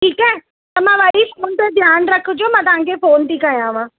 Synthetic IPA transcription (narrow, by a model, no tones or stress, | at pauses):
ʈʰiːkɛː | t̪ɐm̤ãʋɐɽifoːnt̪ed̪ʱjaːnɾɐkʰəd͡ʒiõmãːt̪̬ɐʋɦãŋkʰefoːnʈ̪iːkaːɦjãːʋãː